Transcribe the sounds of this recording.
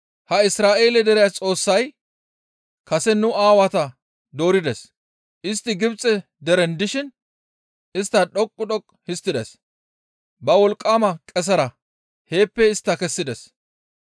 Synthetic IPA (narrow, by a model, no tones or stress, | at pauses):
hɐɪsɾaːʔe̞ːlɛd̪ɛɾɪjat͡sʼo̞ːsːɐj | kɐsɛnʊaːwɐt̪ɐ | d̪o̞ːɾɪd̪ɛs | ʔɪst̪ːɪɡɪbt͡sʼːɛ | d̪ɛɾɛnd̪ɪʃɪn | ɪst̪ːɐɗɔkʼːʊɗɔkʼːhɪst̪ːɪd̪ɛs | bɐwɔlkʼːaːmɐkʼɛs̬ɐɾɐ | he̞ːpːɛɪst̪ːɐkɛsːɪd̪ɛs